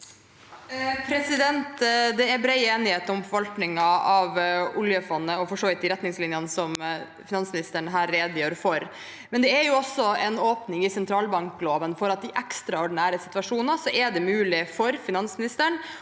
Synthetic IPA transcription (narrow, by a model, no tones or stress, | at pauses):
pʰɾɛsɪd̪ɛnt̪d̪ɛɛɾbɾɛɪeːnɪheːt̪ɔmfɔɾʋɑlknɪŋɑɑʋʊljəfɔnːəɔfɔʂoːʋɪt̪ːɪɾɛt̪ːnɪŋslɪnjənsɔm | fɪnɑnsmnɪst̪əɳɦæːɾːeːd̪jøːɾfɔɾ | mɛnd̪ɛæɾjʊɔsːɔɛnoːpnɪŋɪsɛnt̪ʰɾɑːlbɑŋkloːʋənfɔɾɑt̪̚d̪ɪʔɛkst̪ɾɑɔɖnæːɾəsɪt̪ʋɑʂuːnɑsɔʔɛɖɛmʉːlɪfɔɾfɪnɑnsmɪnɪst̪əɳ